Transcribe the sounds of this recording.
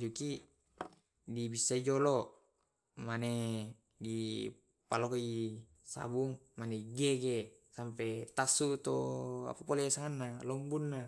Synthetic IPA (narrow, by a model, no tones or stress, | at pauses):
d͡ʒuki | dibisːaid͡ʒolo | mane | di | palokoi | sa̰buŋ | maneɡeɡe | sampet̪asːut̪oa̰papolesaŋanːalombunːa